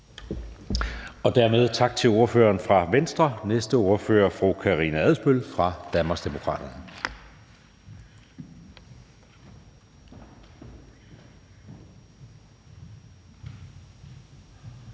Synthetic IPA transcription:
ɒ̽d̥æɐmeð̞ˠt͡sʰɑ̈ɡ̥̚t͡sʰe̝lo̝ɐfø̰ːɐːnfʁɑ̈ʋensd̥ʁɐnesd̥əo̝ɐfø̰ːɐfʁukʰɑʁḭːnææðˠsb̥ølfʁɑ̈d̥ænmɑ̈sd̥e̝mo̝kʰʁɑ̰̈ːd̥ɐnə

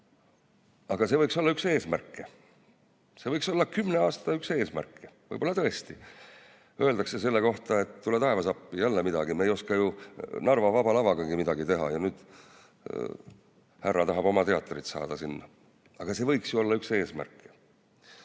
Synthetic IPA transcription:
ɑɡ̥ɑse̞vɤjkso̞lːɑykse̞ːsmærkˑːe | se̞vɤjkso̞lːɑkymːne̞ɑːst̪ɑykse̞ːsmæ̰rkˑːevɤ̰jbo̞lːɑt̪ɤ̞e̞st̪i | ʔø̞eld̪ɑkse̞s̬e̞lːeko̞ht̪ɑe̞t̪t̪ːulet̪ɑe̞vɑsɑpːijælːemid̪ɑɡ̥imejo̞skɑjunɑrvɑvɑbɑlɑvɑɡ̥ɑŋɡ̥imid̪ɑɡit̪e̞ɦɑ̰jɑnyːd̪̥ | hærːɑt̪ɑɦɑbo̞mɑt̪e̞ɑt̪ːˑrit̪sɑ̰ːd̪̥ɑsinːɑ | ɑɡ̥ɑse̞ːvɤjksjuo̞lːɑykse̞ːsmæ̰rkːˑe̥

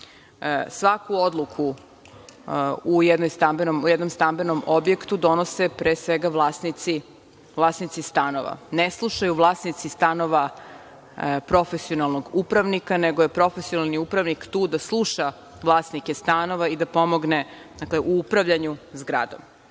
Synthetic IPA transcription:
sʋakuo̞d̪lˠukʰu | ujɛd̪nojst̪ambenomujɛd̪no̞mst̪ambe̞nomobje̞kt̪ud̪o̞nosepɾeːsʋeɡaʋlˠaːsnit̪si | vlˠaːsnit̪sist̪ano̞̰ʋa̰neslˠuʃajuʋlˠaːsnit̪sist̪ano̞ʋa | pɾo̞fesio̞nalˠnoɡupɾaʋnikaneɡojepɾo̞fesionalˠniupɾaʋnikt̪uːd̪aslˠuʃa | ʋlˠaːsnikest̪ano̞ʋaid̪apo̞mo̞ɡne | d̪akleʔuupɾaʋʎaɲuzɡɾa̰ːd̪o̞̰m

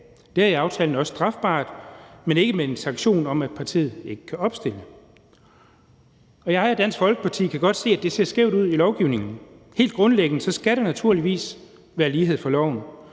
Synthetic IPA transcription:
d̥eæiɑ̈ʊt͡sʰɛ̰ːln̩ɒ̽sə̥sd̥ʁɑ̈fb̥ɑ̰̈ːd̥mene̝ɡ̥əmee̝nsɑ̈ŋɡ̥ɕo̝̰ːnɒ̽mæd̥̚pʰɑ̈t͡sʰḭːð̩ˠe̝ɡ̥ə̥kʰæɒ̽b̥sd̥en̰ə | ɒ̽jɑ̈ɪɒd̥æn̰sɡ̥fɒ̽lɡ̥əpʰɑ̈t͡sʰḭːkʰæɡ̥ɒ̽d̥se̝̰ːæd̥e̝se̝ɐsɡ̥eʊ̰ɾ̥uð̰ˠilɒʊɡ̥iʊne̝ŋn̩he̝̰ːld̥ɡ̥ʁɔ̽nleɡ̥ənəsɒ̽sɡ̥æɾenæt͡sʰuɐliʋḭːs | ʋæːɐliːɦe̝ð̞̰ˠfɒ̽lɒʊ̰n̩

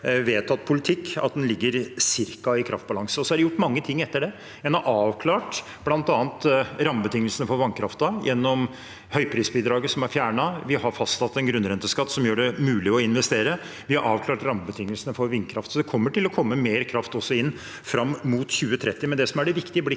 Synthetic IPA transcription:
ʋeːt̪ʰɑt̪̚ːpʰʊlɪt̪ʰɪkːɑ̰t̪̚d̪ɛnlɪɡːəɾsɪɾkɑɪkʰɾɑ̰ft̪̚bɑlɑŋsəɔsɔhɑɖɛjʊʈːmɑŋːət̪ʰɪŋːɛt̪ːəɖɛ | jæɪhɑɾʔɑːʋkʰlɑːʈ | blɑnt̪ɑːnt̪ɾɑməbət̪ɪŋːəlsənəfɔɾʋɑnkʰɾɑft̪əjʔɛnːɔm | hœʏpʰɾiːsbiːd̪ɾɑːɡəsɔmæɾfjæːɳɑʋɪhɑɾfɑst̪ʰɑt̪ːɛnɡɾʉnːɾɛnt̪əskɑt̪ːsɔmjøːɖɛmʉːlɪɔɪnʋɛst̪eːɾə | ʋɪhɑɾʔɑːʋkʰlɑːʈɾɑməbət̪ʰɪŋːəlsənəfɔɾʋɪnːkʰɾɑft̪sɔd̪ɛkʰɔmːəʈɪlɔkʰɔmːəmeːɾkʰɾɑft̪ɔsːɔɪnː | fɾɑmːmuːt̪çʉːət̪ʰɾɛt̪ːɪmɛnd̪ɛsɔmæɖɛʋɪkt̪ɪəblɪ

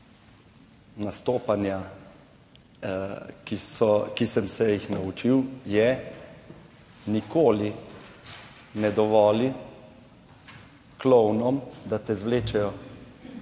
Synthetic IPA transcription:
nast̪oːpanja | kiskisɛmsɛjixnaut͡ʃiwjɛ | nikoːli | nɛd̪ɔʋɔːli | klɔwnɔmd̪at̪ɛzʋleːt͡ʃɛjɔ

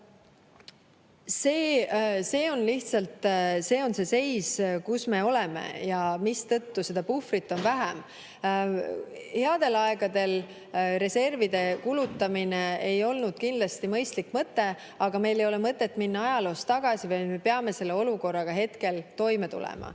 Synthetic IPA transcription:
se̞ːse̞ːo̞nliht̪sɑlt̪se̞ːo̞nse̞se̞jskusme̞o̞leme̞̰jɑmist̪ɤ̞t̪ːuse̞d̪̥ɑpufrit̪ːˑo̞nvæɦæm | he̞ɑd̪̥e̞lɑe̞ɡ̥ɑd̪e̞l | ɾe̞se̞rvid̪̥e̞kulut̪ːˑɑmineejo̞lnud̪̥̚kind̪lɑst̪imɤjst̪likːmɤt̪ːe̞ | ɑɡ̥ɑme̞jle̞jo̞lemɤt̪ˑːe̞t̪ːˑminːɑɑjɑlo̞ːst̪ɑɡ̥ɑsivɑj̪me̞peɑme̞se̞lːeo̞luko̞rːɑɡ̥ɑɦe̞t̪ke̞lt̪o̞jmet̪ṵlɛ̰mɑ̰

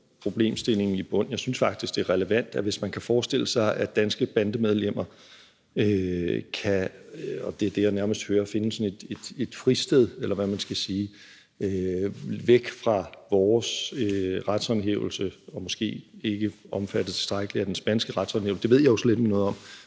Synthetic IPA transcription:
pʰʁo̝b̥le̝̰ːmsd̥e̝le̝ŋn̩ib̥ɔ̽n̰jɑsynsfɑ̈ɡ̥d̥isɡ̥d̥e̝æɐʁɛləʋæn̰d̥æʋe̝smænkʰæfɒːsd̥e̝l̰əsɑ̈ɪʔæd̥ænsɡ̥əb̥ænd̥əmeð̞ˠlem̰ɐ | økʰæɒ̽d̥e̝ɐd̥e̝ænæɐməsd̥høːɐːfe̝nəsɒ̽ne̝d̥ed̥e̝d̥fʁisd̥eð̞ˠelɐʋæmænsɡ̥æsiː | øʋeɡ̥fʁɑ̈ʋɒːsøʁad̥sɒnɦḛʊl̩səɒ̽mɔ̽sɡ̥e̝̰ːe̝ɡ̥əɒ̽mfæd̥ət͡sʰe̝̥sd̥ʁaɡ̥əliæd̥ensb̥ænsɡ̥əʁad̥sɒ̽nḛʊsə̥d̥eʋe̝̰jɑosled̥emnɔ̽ːð̩ˠɒ̽m

